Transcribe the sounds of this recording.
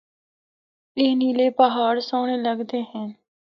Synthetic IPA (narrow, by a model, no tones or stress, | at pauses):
pɪːniːleːpəɦaːɾsoːɽeːləɡd̪eːɦɛ̃n